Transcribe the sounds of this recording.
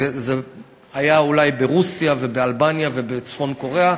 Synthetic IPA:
ze | ajaulajbe̞ʁusijave̞bealbanjave̞bet͡sfo̞nko̞ʁea

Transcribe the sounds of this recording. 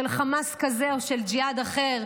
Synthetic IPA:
elχamaskazeoʃeld͡ʒiad̪aχeʁ

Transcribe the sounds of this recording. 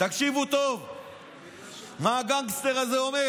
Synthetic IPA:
t̪akʃivut̪o̞v | maːɡaŋɡst̪eʁazeome

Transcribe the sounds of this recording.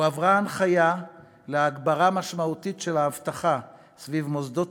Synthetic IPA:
avʁaanχaja | leaɡbaʁamaʃmaut̪itʃelaːvtaχa | svivmozd̪o

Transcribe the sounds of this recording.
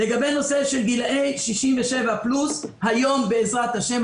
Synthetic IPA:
le̞ɡabeno̞seʃelɡilʔejʃiʃimveʃevaplushajo̞mbeːzʁat̪haʃem

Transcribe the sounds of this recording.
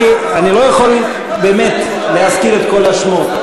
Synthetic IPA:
anilo̞jaχo̞l | beːme̞t̪ | leɦafkiʁet̪ko̞laʃmo

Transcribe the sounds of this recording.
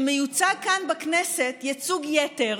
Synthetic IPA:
mejut͡saɡ̚kanbaknesetjat͡suɡjeteʁ

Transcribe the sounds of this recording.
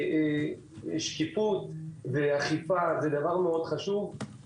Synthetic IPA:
ʃkifut̪veaχipazed̪avaʁmeo̞d̪χaʃuv

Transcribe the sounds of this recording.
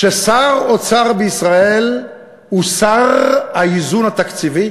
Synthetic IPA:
ʃesaʁot͡saʁbeisʁae̞l | husaʁhaizunhat̪akt͡sivi

